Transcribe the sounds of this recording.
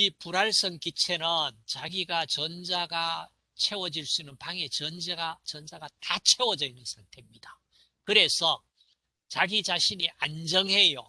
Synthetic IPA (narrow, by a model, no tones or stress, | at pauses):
ipuɾaɭs͈ʌŋkit͡ɕʰe̞nɯnt͡ɕaɡiɡat͡ɕʌnd͡ʑaɡa | t͡ɕʰe̞wʌd͡ʑiɭs͈uinːɯnpaŋe̞t͡ɕʌnd͡ʑeɡat͡ɕʌnd͡ʑaɡatat͡ɕʰe̞wʌd͡ʑʌinːɯnsʰaŋtʰe̞mɲida | kɯɾe̞sʰʌ | t͡ɕaɡit͡ɕaɕʰiɲiʔand͡ʑʌŋɦe̞jo̰